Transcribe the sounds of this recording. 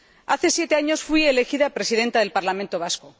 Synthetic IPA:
aθe̞sje̞t̪e̞aɲo̞sfwiele̞xiðapɾe̞siðe̞nt̪aðe̞lpaɾlamẽnt̪o̞β̞asko

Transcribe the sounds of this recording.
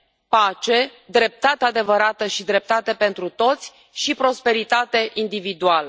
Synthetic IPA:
pat͡ʃe̞d̪ɾe̞p̚t̪at̪ead̪e̞vəɾat̪əʃid̪ɾe̞p̚t̪at̪e̞pe̞nt̪ɾut̪o̞t̪sʲ | ʃipɾo̞spe̞ɾit̪at̪e̞ʔind̪ivid̪ualə

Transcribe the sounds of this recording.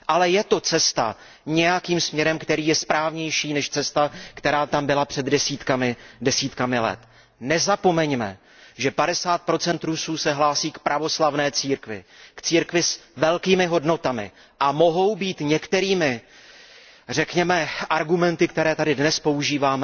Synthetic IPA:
ʔalɛjɛt̪o̞t͡sɛst̪a̰ | ɲɛjakiːmsmɲɛɾɛmkt̪ɛɾiːjɛspɾaːvɲɛjʃiːnɛʃt͡sɛst̪akt̪ɛɾaːt̪ambɪlapr̝̥ɛd̪dɛsiːt̪kamɪdɛsiːt̪kamɪlɛ̰t̪ | nɛzapo̞mɛɲmɛ̰ | ʒɛpadɛsaːt̪̚pɾo̞t͡sɛnt̪ɾusuːsɛɦlaːsiːkpɾʔavo̞slavnɛːt͡siːɾkvɪ̰kt͡siːɾkvɪsvɛlkiːmɪɦo̞dno̞t̪amɪ̰ | ʔamo̞ɦo̞wbiːt̪ɲɛkt̪ɛɾiːmɪ | rɛkɲɛmɛʔaɾɡumɛnt̪ɪk̚t̪ɛɾɛːt̪adɪdnɛspo̞uʒiːvaːmɛ

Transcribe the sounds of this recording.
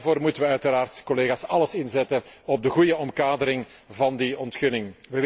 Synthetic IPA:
voːrmutəʋəœɥtəɾaːrtkɔleːɣaːsɑləsɪnzɛtəɔb̚dəɣujəɔmkaːdəɾɪŋvɑndiɔntxɵnɪŋʋəʋ

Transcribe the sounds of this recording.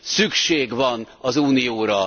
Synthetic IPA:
sykʃeːɡvɒn | ɒzuːnijoːɾɒ

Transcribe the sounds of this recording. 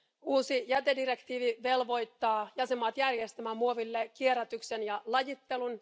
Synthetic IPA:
uːsijæt̪edirekt̪iːʋiʋe̞lʋo̞jt̪ːɑːjɑsemːɑːt̪jærjest̪æmæmuoʋilːekieɾæt̪yksenjɑlɑjit̪ːe̞lun

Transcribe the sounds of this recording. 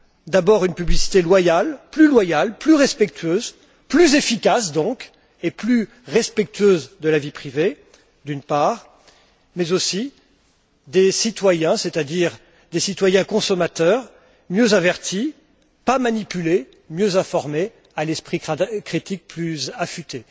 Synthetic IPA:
d̪abɔʁynpyblisi̥t̪elwajalplylwajalplyʁɛspɛk̚t̪ɥøz | plyzefikasd̪ɔ̃k | eply | ʁɛspɛk̚t̪ɥøzd̪əlavipχive | d̪ynpaʁ | mɛzosi | d̪esit̪wajɛ̃sɛt̪ad̪iʁ | d̪esit̪wajɛ̃kɔ̃sɔmat̪œʁ | mjøzavɛʁt̪ʰi | pamanipyle | mjøzɛ̃fɔʁme | alɛspχikχit̪ik̚plyzafyt̪e

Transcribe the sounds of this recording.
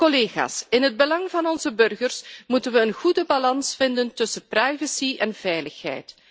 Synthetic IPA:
koleːxa̰ːsɪnɦəd̚bəlɑŋvɑnɔnzəbɵrɣərsmutənʋəːnɣudəbalɑnsfɪndəntɵsəprajvəsiɛnv̥ɛjləxɦɛ̰jt

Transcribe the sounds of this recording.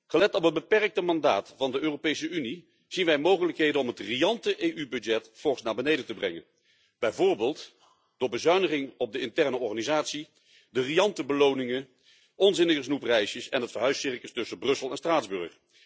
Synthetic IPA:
χəlɛtɔpɦəd̚bəpɛrk̚təmɑndaːtfɑndəøːropejsəyni | z̥inʋɛjmowχələkɦejdənɔmɦətrijɑntəʔejʔybɵdd͡ʒɛtfɔχsnaːbənejdətəbrɛ̰ŋə̰n | b̥ɛjvʊːɹbeːlˠt | d̥ʊːɹbəzœɥnəχɪŋɔb̚dəɪntɛrnəɔɹχaːnizaːtsi | dəriɑntəbəlownɪŋən | ɔnzɪnəχəsnuprɛjsjəsɛ̰nɦətfəɹɦœɥsɪɹkəstɵsəbrɵsəlˠɛnstraːdzbɵɹχ

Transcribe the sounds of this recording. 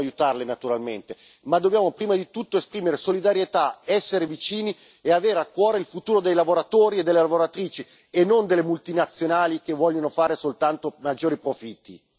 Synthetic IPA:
ajut̪arlenat̪uɾalment̪e | mad̪objaːmopɾiːmad̪it̪ut̪ːoespɾiːmeɾesolid̪aɾjet̪aɛsːeɾevit͡ʃiːni | eaveːɾeakːwɔːɾeilfut̪uːɾod̪ejlavoɾat̪oːɾied̪elːelavoɾat̪ɾiːt͡ʃi | enːond̪elːemult̪inat̪sːjonaːlikevːɔʎːonofaːɾesolt̪ant̪omad͡ʒːoːɾipɾofit̪ːi

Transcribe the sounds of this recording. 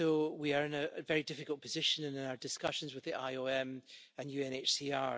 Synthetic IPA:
owiə˞ɪ̃nəvɛɹidɪfɪkəlˠpʰəzɪʃə̃nə̃nɪ̃naʊə˞dɪskʌʃə̃nzwɪðiʔa̰ɪoɛ̃mə̃njʉɛ̃net͡ʃsia

